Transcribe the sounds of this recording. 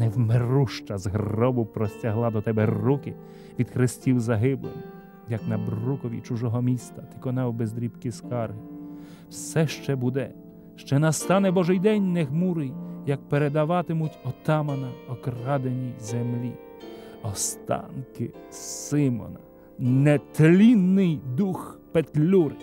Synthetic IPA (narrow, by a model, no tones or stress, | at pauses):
nɛwmeruʃt͡ʃɐzɦrɔbʊpɾɔsʲtʲaɦlˠɑd̪ɔt̪ɛbɛrukɪ | ʋʲid̪xɾɪsʲtʲiwzɐɦɪblˠɪ̰m | jɐknɐbrukɔʋʲḭt͡ʃʊʒɔɦɔmʲist̪ɐt̪ɪ̥kɔnɛwbezd̪ɾʲipkiskɑrɦɪ | wsɛʃt͡ʃɛbud̪ɛ | ʃt͡ʃɛnɐst̪ɑnɛbɔʒɪjd̪ɛnʲnɛɦmuɾɪjjɐk̚peɾed̪ɐʋɑt̪ɪmʊtʲɔt̪ɑmɐnɐɔkrɑd̪enʲizemlʲḭ | ɔst̪ɑ̰nkɪsɪmɔ̰nɐ | nɛt̪lʲinːɪjd̪uxpet̪ʲlʲuɾɪ